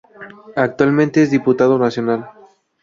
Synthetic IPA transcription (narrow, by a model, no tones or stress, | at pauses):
ak̚t̪walmẽnt̪e̞ezðiput̪að̞onasjonal